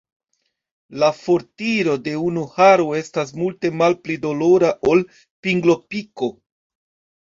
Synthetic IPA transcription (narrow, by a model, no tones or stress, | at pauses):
lafo̞ɾtiɾo̞de̞unuhaɾoe̞stas̬multe̞malplido̞lo̞ɾaʔo̞l | piŋɡlo̞piko̞